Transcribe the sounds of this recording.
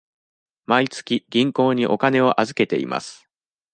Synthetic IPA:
mait͡sɨ̥kʲiɡʲĩŋko̞ːɲ̟iʔo̞kane̞o̞ʔazɨke̞t̪e̞̰ḭmʔa̰sɨ̥

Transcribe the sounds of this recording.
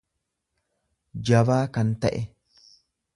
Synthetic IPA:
d͡ʒɐbaːkɐnt̪ɐʔɛ

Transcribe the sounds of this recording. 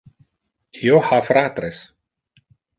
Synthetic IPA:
hjohafɾaːt̪ɾes

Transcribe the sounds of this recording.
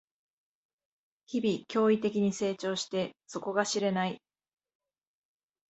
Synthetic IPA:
çibʲikʲo̞ːit̪e̞kʲiɲ̟ise̞ːt͡ɕo̞ːɕi̥t̪e̞so̞ko̞ɡaɕiɾe̞nai

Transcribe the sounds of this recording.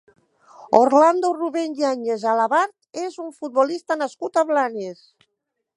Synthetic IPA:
oɾland̪oruβeɲiaɲezalaβaɾt̪ezuɱfut̪̚bolist̪anaskut̪aβlanes

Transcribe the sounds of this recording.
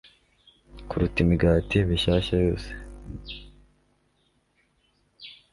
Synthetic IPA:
kuɾutimiɡaːtiβiʃaːʃajo̞ːse̥

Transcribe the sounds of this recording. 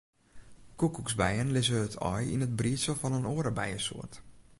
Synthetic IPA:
kukuksbɛjənlɪzəətʰɔ̰jḭnət̚briəsəlˠfɔnənoːəɾəbɛ̰jəso̰ət

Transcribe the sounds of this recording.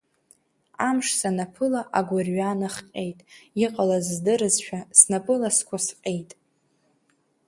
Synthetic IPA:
amʂsanapʰɨlaʔaɡʷʊrɥanaχqʲʼe̞jtʼiqʼalazːdɨɾɨzʃᶣasnapʼɨlaskʷʰasqʲʼe̞jtʼ

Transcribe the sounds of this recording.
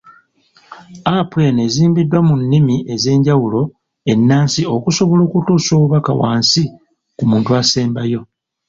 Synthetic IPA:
apwe̞ne̞ziːmbidwamunːimiʔe̞ze̞ːɲɟawulo̞ | e̞nːaːnsio̞kuso̞βolo̞ːkutuːsoːβuβaka̰wa̰ːnsi | kumuːntuase̞ːmbajo̞

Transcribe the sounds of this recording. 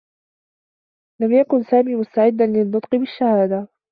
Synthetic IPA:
lamjakʊnsaːmiːmʊst̪aʕɪd̪ːanlɪnːʊt̪ˤqɨbɪʃːahaːd̪a

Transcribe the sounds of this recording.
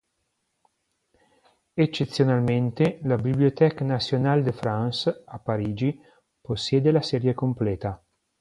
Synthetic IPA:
et͡ʃːet̪sːjonalment̪elabibliot̪ɛkanasjonald̪efɾansapaɾiːd͡ʒi | posːjɛːd̪elasɛɾjekomplɛːt̪a

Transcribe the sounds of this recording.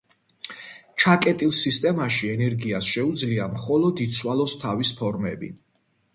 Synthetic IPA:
t͡ʃʰakʼɛt̪ʼilˠsist̪ʼɛmaʃiɛnɛɾɡiasʃɛud̪zliamχɔlɔd̪it̪sʰwalˠɔst̪ʰavispʰɔɾmɛbḭ

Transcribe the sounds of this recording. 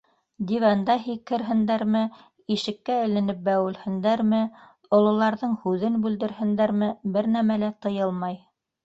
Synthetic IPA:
d̪ivɑnd̪ɑɦikːɘ̆ɾɦɘ̆nd̪æɾmɘ | iʃɘ̆kːæɘ̆lɘ̆nɘp̚bæwɘ̆lhɘ̆nd̪æɾmɘ | ŏlˠŏlˠɑɾðɤɴhʉðɘnbʉld̪ɘ̆ɾhɘ̆nd̪æɾmɘbɘɾnæmælæt̪ɤ̆jɤlˠmɑj

